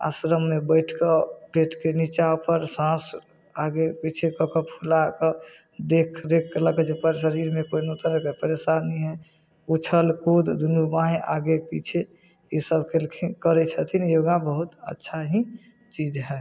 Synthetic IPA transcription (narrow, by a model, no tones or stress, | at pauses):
a̰sɾəmːebəɪʈʰkepeʈʰkenit͡ʃapəɾsãs | aɡepit͡ʃʰekɔkəpʰulakɔ | d̪ekʰɾekʰːeləkət͡ʃpəɾsəɾiɾmekoinot̪əɾəkəpəɾesaniɦɛ | ut͡ʃʰəlkod̪d̪unubaɦẽʔa̰ɡepit͡ʃʰe | isəbkelkʰikəɾɛt͡ʃʰət̪ʰinjoɡãbəɦut̪ətːʃʰaɦi | t͡ʃid͡ʒɦɛ